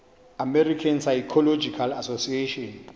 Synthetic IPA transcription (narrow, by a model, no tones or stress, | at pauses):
amɛrikʰansajkʰɔlɔd͡ʒikʰalasosieʃɔn